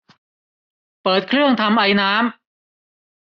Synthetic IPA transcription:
pɤː˨˩t̪̚kʰɾɯ˥˩əŋt̪ʰa˧mʔa˧jnaː˦˥m

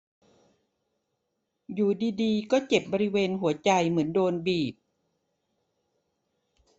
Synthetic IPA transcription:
juː˨˩diː˧diː˧kɔː˥˩t͡ɕe˨˩p̚bɔː˧ɾi˦˥weː˧nɦu˩˦ɐt͡ɕa˧jmɯ˩˦əndoː˧nbiː˨˩p̚

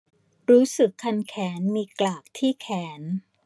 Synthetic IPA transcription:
ɾuː˦˥sɯ˨˩kʰːa˧nkʰɛː˩˦nmiː˧klaː˨˩k̚t̪ʰiː˥˩kʰɛː˩˦n

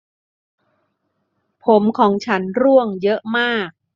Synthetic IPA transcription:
pʰo˨˩˦mkʰɔː˩˦ŋt͡ɕʰa˦˥nɾu˥˩əŋjɤ˦˥ʔmaː˥˩k̚

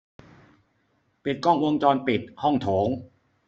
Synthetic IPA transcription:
pi˨˩t̪̚kɔ˥˩ŋwo˧ŋt͡ɕɔː˧npi˨˩t̪̚hɔ˥˩ŋt̪ʰoː˩˦ŋ

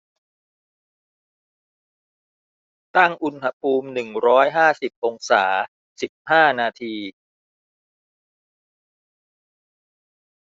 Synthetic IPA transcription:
t̪a˥˩ŋʔu˧nha˧pʰuː˧mnɯ˨˩ŋɾɔː˦˥jɦaː˥˩si˨˩p̚ʔo˧ŋsa̰ː˩˦ | si˨˩p̚haː˥˩naː˧t̪ʰiː˧

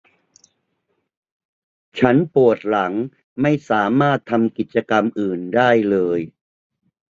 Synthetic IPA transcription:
t͡ɕʰa˦˥npu˨˩ət̪̚la˩˦ŋ | ma˥˩jsaː˩˦maː˥˩t̪ʰːa˧mki˨˩t̪̚t͡ɕa˧ka˧mʔɯː˨˩ndaː˥˩jlɤː˧j

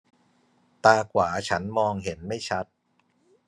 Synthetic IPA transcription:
t̪aː˧kʰwaː˩˦t͡ɕʰa˦˥nmɔː˧ŋɦe˩˦nma˥˩jt͡ɕʰa˦˥t̪̚

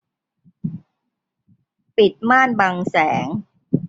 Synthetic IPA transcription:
pi˨˩t̪̚maː˥˩nba˧ŋsɛː˩˦ŋ

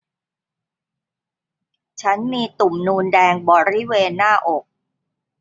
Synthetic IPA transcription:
t͡ɕʰa˦˥nmiː˧t̪u˨˩mnuː˧ndɛː˧ŋbɔː˨˩ɾi˦˥˩weː˧nːaː˥˩ʔo˨˩k̚

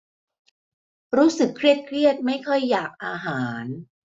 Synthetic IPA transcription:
ɾuː˦˥sɯ˨˩kʰːɾi˥˩ət̪̚kʰɾi˥˩ət̪̚ma˥˩jkʰɔ˥˩jːaː˨˩k̚ʔaː˧ɦaː˩˦n

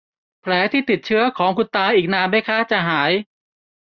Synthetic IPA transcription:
pʰlɛː˩˦t̪ʰiː˥˩t̪i˨˩t̪̚t͡ɕʰɯ˦˥ɐkʰɔː˩˦ŋkʰu˧nt̪aː˧ʔiː˨˩k̚naː˧nba˥˩jkʰaː˦˥˩t͡ɕa˨˩ɦaː˩˦j

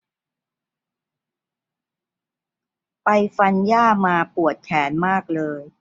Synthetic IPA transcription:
pa˧jfa˧njaː˥˩maː˧pu˨˩ət̪̚kʰɛː˩˦nmaː˥˩k̚lɤː˧j

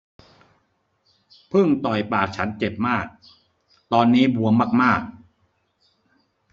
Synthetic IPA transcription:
pʰɯ˥˩ŋt̪ɔ˨˩jpaː˨˩k̚t͡ɕʰa˦˥nt͡ɕe˨˩p̚maː˥˩k̚ | t̪ɔː˧nːiː˦˥bu˧əmaː˥˩k̚maː˥˩k̚

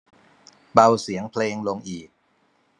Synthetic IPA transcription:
ba˧wsi˩˦əŋpʰleː˧ŋlo˧ŋʔiː˨˩k̚

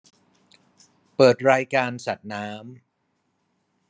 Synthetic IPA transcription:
pɤː˨˩t̪̚ɾaː˧jkaː˧nsa˨˩t̪̚naː˦˥m

